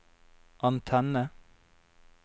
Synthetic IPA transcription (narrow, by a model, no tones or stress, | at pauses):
ʔɑnt̪ʰɛnə